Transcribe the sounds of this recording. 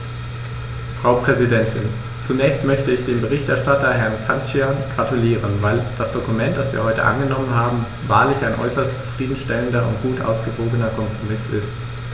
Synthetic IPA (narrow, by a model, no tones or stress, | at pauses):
fʁ̥aʊpʁ̥ɛzidɛntʰɪn | t͡sunɛːçstmœçtəɪçd̥eːmbəʁ̞ɪçtɛɐʃtatɐɦɛɐnkʰant͡ʃianɡ̥ʁatuliːʁ̞ənvaɪld̥asd̥okumɛntd̥asv̥iːɐɦɔʏtə̰ʔa̰nɡənɔmənɦaːbm̩ | va̰ːɐlɪçaɪnʔɔ̰ʏsɐstt͡su̥fʁ̥iːdn̩ʃtɛləndɐʔʊ̰ntɡ̥uːtʔa̰ʊsɡ̥əvoːɡənɐkʰɔmpʁ̥omɪsɪ̰st